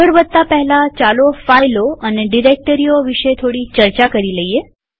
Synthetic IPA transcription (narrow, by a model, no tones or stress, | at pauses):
əɽʋəd̪̚t̪apəɦɛlat͡ʃalofajloəneɖiɾek̚ʈəɾioʋiʃet̪ʰoɽit͡ʃəɾt͡ʃakəɾiləije